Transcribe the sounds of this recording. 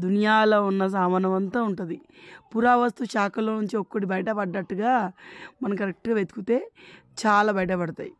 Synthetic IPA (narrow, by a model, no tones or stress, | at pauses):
d̪ʱunjaːloːunːɐs̬aːmɐnɐʋɐnt̪aːuɳʈund̪ipuɾaːʋɐst̪ut͡ʃaːkɐlːoːnuɲt͡ʃiokːoʈibɐjɐʈɐpɐɖːɐʈːuɡaːmɐnɐmkɐɾek̚ʈɡaʋet̪u̥kut̪e̞ː | t͡ʃaːlaːbɐjɐʈ̬ɐpɐɽɐt̪a̰ːji